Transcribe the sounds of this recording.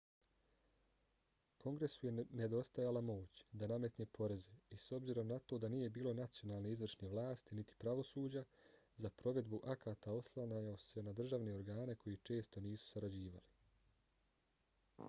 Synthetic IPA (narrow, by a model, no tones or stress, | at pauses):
ko̞ŋɡɾe̞sujene̞d̪o̞st̪ajalamo̞ːt͡ɕd̪aname̞t̪nepʰo̞ɾe̞zeiso̞bziɾo̞mnat̪o̞d̪anije̞biːlo̞nat̪sijo̞naːlˠne̞izʋr̩ʃneʋlaːst̪init̪i̥pɾaʋo̞suːd͡ʑa | zapɾo̞ʋe̞d̪buʔakʰaːt̪ao̞slˠanajase̞nad̪r̩ʒaʋne̞o̞ɾɡaːne̞kʰo̞jit͡ʃe̞ːst̪o̞niːsu̥saɾad͡ʑiːʋa̰li